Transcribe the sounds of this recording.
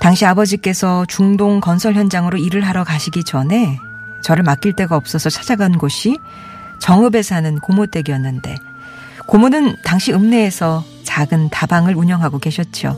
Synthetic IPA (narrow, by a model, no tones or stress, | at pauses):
taŋɕʰiabʌd͡ʑik͈e̞sʰʌt͡ɕuŋdoŋkʌnsʰʌɭçjʌnd͡ʑaŋɯɾoiɾɯɭɦaɾʌkaɕʰiɡid͡ʑʌnɦe̞ | t͡ɕʌɾɯɭmak͈iɭt͈e̞ɡaʌp̚s͈ʌsʰʌt͡ɕʰḁd͡ʑaɡanɡoɕʰi | t͡ɕʌŋɯbe̞sʰanɯnkomot͈e̞ɡiʌnːɯnde̞̰ | komonɯntaŋɕʰiɯmne̞ːsʰʌ | t͡ɕaɡɯntabaŋɯɾuɲʌŋɦaɡoke̞ɕʰʌt̚t͡ɕ͈o̰